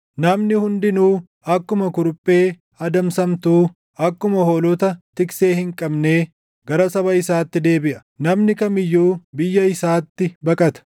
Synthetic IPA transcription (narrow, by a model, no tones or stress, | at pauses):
nɐmnɪhʊnd̪ɪnuː | ɐkːʊmɐkʊɾʊpʼːe̞ː | ɐd̪ɐmsɐmt̪uː | ɐkːʊmɐhoːlɔt̪ɐt̪ɪkse̞ːhɪŋkʼɐbne̞ː | ɡɐɾɐsɐbɐɪsaːt̪ːɪd̪e̞ːbɪʔɐ̥nɐmnɪkɐmɪjːuːbɪjːɐɪsaːt̪ːɪbɐkʼɐt̪ɐ̥